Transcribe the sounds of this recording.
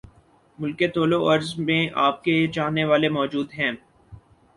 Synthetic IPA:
mʊlket̪oːloɐɾzmẽʔaːp̚ket͡ʃaːɦnːeʋaːlemɔːd͡ʒuːd̪ɦɛ̃ː

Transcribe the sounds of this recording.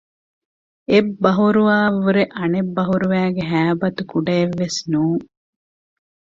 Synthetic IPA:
ebːɐɦuɾuʋaːʋuɾeʔɐnebːɐɦuɾuʋæːɡeɦæːbɐt̪ukuɖɐeʋːesnuːŋ

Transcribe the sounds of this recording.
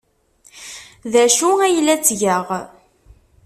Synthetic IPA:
ðæʃuæjlːæt͡sːʝəʁ

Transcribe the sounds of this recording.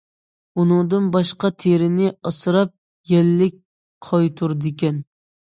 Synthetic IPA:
unɨŋd̪ɨnbɑʃqɑt̪ʰeɾɪnɪɑsɨɾɑp̚ | jɛlːɪk̚ʲ | qʰɑjt̪ʰuɾd̪ɪkʲɛn

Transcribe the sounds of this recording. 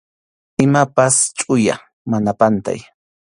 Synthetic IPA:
ɪmapast͡ʃʼʊja̰ | manapant̪a̰j

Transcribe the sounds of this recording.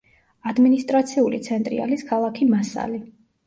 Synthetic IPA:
ad̪minist̪ʼɾat̪sʰiulḭt̪sʰɛnt̪ʼɾḭa̰liskʰalˠakʰimasa̰li

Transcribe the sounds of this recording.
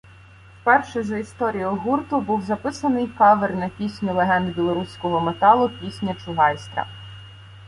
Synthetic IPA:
fpɛrʃɛzɐist̪ɔɾʲijɔɦurt̪ʊbuwzɐpɪsɐnɪjkɑʋernɐpʲisʲnʲʊlˠeɦɛnd̪bʲilˠɔɾusʲkɔɦɔmet̪ɑlˠʊpʲisʲnʲɐt͡ʃʊɦɑjst̪ɾɐ̰

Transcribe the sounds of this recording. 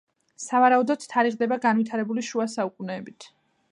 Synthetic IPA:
savaɾaud̪ɔd̪̥t̪ʰːaɾiʁd̪ɛbaɡanvwit̪ʰaɾɛbuliʃuasaukʼunɛːbit̪ʰ

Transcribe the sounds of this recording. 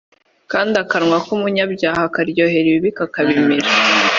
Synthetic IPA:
kaːndiakaɾŋwakumuɲabɟaːhakaɾɟo̞ːɦe̞ɾiβiβikakaβimiɾa

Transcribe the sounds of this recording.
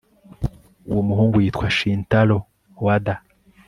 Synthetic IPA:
ṵwomuɦuːŋɡujiːtkwaʃiːntalo | wada

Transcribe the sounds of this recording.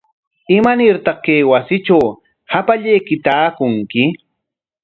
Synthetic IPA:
ɪmanɪɾt̪ɑχkajwasɪt͡ʃaw | hapaʎajkɪt̪aːkʊŋkɪ

